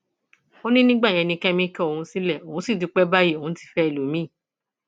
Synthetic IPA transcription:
o˦nĩ˦nĩ˦ɡ͡bã˦˨ɛ̃˧nĩ˧kɛ˦mĩ˦kɛ˦o˦˨hũ˧si˦lɛ˦˨o˨hũ˨˦si˦˨du˨˧˦k͡pɛ˦ba˦ji˦˨o˨ũ˨˦ti̥˧˦fɛ˦e˦˨lo˨˦mĩ˦˨

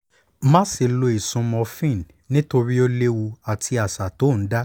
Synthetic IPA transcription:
mã˦se˧˨lo˧i˨sũ˧mɔ̃˧fĩ˦˨n˨ | nĩ˦to˧ɾi˦o˦le˦wu˧a˨tʰi˧a˨sa˨to˨˦˨n̩˨˦da˦

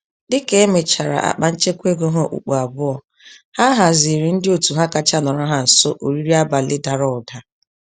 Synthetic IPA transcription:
dɪ˦ke˦e˦me˨t͡ʃa˨ɾa̰˨ʔa̰˨k͡pa˨˦n̩˦t͡ʃe˦kʷe˦ɡo˦ɦo˦ʔṵ˨k͡po˨a˨bʊ˦ɔ˨ | ha˦ɦa˨zi˨ɾi˨n̩˦dɪ˦o˨tu˨ɦa˦ka˦t͡ʃa˦nɔ˨ɾɔ˦ɦa˨n̩˨so˦ʔo˨ɾi˦ɾi˦a˦ba˨lɪ˦da˨ɾɔ˨ʊ˨da˨

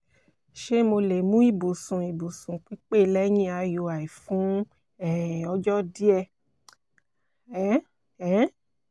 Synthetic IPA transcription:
ʃe˦mo˧le˨mũ˦i˦˨bu˨sũ˨i˨bu˨sũ˨k͡pi˦k͡pe˦˨˧lɛ˦j̃ĩ˦a˧jo˧a˨i˨fũ˨˦ | ɛ˦˨ɔ˧d͡ʒɔ˦di˦ɛ˧ | ɛ˨˦ | ɛ˨˦

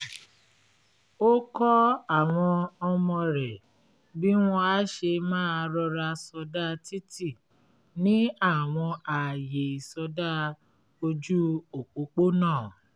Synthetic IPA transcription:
o˦kɔ˦a˦˨w̃ɔ̃˧ɔ˧mɔ̃˧ɾɛ˨ | bi˦w̃ɔ̃˧a˦ʃe˧mãː˦˧ɾɔ˧ɾa˧sɔ˧da˦ti˦ti˦˨ | nĩ˨˦a˦˨w̃ɔ̃˧a˨je˨i˨sɔ˧da˦ | o˧d͡ʒu˦o˨k͡po˨˦k͡po˦nãː˦˨

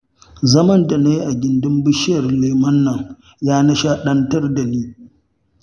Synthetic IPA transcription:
zɐ˦mɐ˦nda˨na˦ji˦ʔa˨ɡʲɪ˨ndɪ˦mbɪ˦ʃɪ˦jɐ˨rleː˨mɐ˦nːɐ˨ŋ | jaː˦nɐ˦ʃaː˦ɗɐ˦ntɐ˦rda˨niː˦

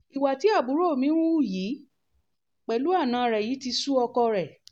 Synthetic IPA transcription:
i˨wa˨ti˨˦a˦˨bu˨˦ɾo˦˨mĩ˦ũ˦u˦˨ji˨˦ | k͡pɛ˨lu˨˦a˦˨nã˧˦˧ɾɛ˨ji˨˦ti˧su˦ɔ˧kɔ˧ɾɛ˨

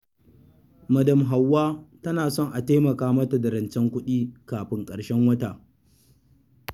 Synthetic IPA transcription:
mɐ˨dɐ˨mɦa˨wːaː˦tɐ˦naː˨sɔ˦˨ŋʔa˨teː˦mɐ˨kaː˦mɐ˦ta˨dɐ˨ɾɐ˨nt͡ʃɛ˦ŋkʷʊ˦ɗiː˦kaː˨ɸɪ˦ŋkʼɐ˨ɽʃɛ˦ŋwɐ˦taː˨

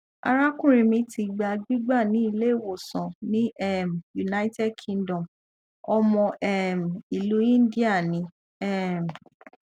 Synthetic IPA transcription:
a̰˧ɾa˦kũ˦ɾ̃ĩ˧mĩ˧˦ti˧ɡ͡ba˧ɡ͡bi˦ɡ͡ba˦˨nĩ˦i˧le˦˨wo˨sɔ̃˨nĩ˦ɛ˦˨m˨ju˨na˦i˦tɛ˦d̚kʰĩ˧ndɔ̃˨m | ɔ˧mɔ̃˧ʔɛ˦m̩˨i˨lu˨˦ĩ˦n˦di˦a˦˨nĩ˨˧˦ | ɛ˦m˨

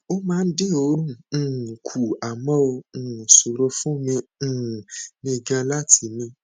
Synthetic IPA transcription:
o˦mãː˦˧n̩˦de˦˨o˧˦ɾũ˦˨kʰu˨a˨mɔ̃˦õ˧˨su˨ɾo˧˦fũ˦mĩ˧˨nĩ˧˨ɡã˧la˦tʰi˧mĩ˧

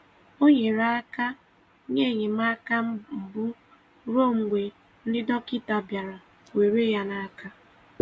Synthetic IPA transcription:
o˦ɲe˨ɾa˦a˦ka˦ | ɲe˦˨ɲe˨ma˦ka˦m̩˨bʊ˦ | ɾo˦˨ŋ̩˨ɡʷe˨ | n̩˦dɪ˦dɔ˦kɪ˦ta˨bja˨ɾa˨ | we˨ɾe˦ja˦na˦ka˦

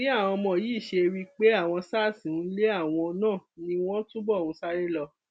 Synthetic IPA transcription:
ĩ˦a˦˨w̃ɔ̃˧mɔ̃˨jiː˨˦˨ʃe˧wi˦k͡pe˦a˦˨w̃ɔ̃˧saː˦˨sĩ˨˦le˦a˦˨w̃ɔ̃˧nãː˦˨nĩ˧w̃ɔ̃˦tũ˦bɔ˦˨ũ˨˦sa˦ɾe˦lɔ˧

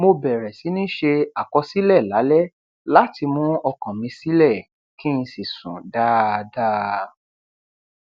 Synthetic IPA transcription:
mo˧bɛ˨ɾɛ˨si˨˦nĩ˦ʃe˧a˨kɔ˧si˦lɛ˦˨la˨˦lɛ˦ | la˦ti˧mũ˦ɔ˧kã˨mĩ˧si˦lɛ˦˨ | kĩ˦˧si˨sṵ̃˨da˦˧da˦

